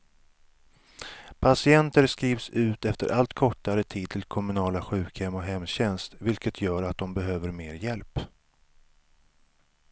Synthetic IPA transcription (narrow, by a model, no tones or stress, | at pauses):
pʰasɪɛnt̪əɾskɾiːvsʉ̟ːt̪ɛft̪əɾʔalt̪kʰɔʈːaɾət̪ʰiːd̪̚t̪ʰɪlkʰɔmɵnɑːlaɧʉ̟ːkhɛmːɔɦɛmːɕɛnst̪vɪlkət̪ʰjœːɾat̪̚d̪ɔmbɛɦøːvəɾmeːɾjɛlp